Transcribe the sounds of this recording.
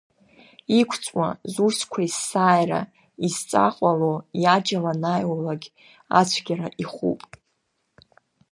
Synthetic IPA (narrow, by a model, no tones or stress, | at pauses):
ikʷʰt͡sʼwa̰zuʃkʷʰaisaːjra̰ | izt͡sʼaqʼalojad͡ʒalanajwalaɡʲ | a̰t͡sʷʰɡʲaɾaʔiχṵpʼ